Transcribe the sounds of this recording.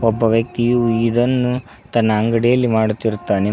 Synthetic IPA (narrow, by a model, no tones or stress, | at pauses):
ɔbːɐʋjɐk̚t̪ijuid̪ɐnːu | t̪ɐnːɐːŋɡɐɽijɐlːimaːɽut̪ːiɾut̪ːaːne